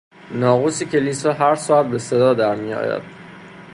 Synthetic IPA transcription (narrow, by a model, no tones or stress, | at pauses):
nɒːɣuːsicʰe̞lisɒɦæɾsɔːæt̪̚be̞se̞d̪ɒːd̪æɾmijɒ̰ːjæ̰d̪̥̚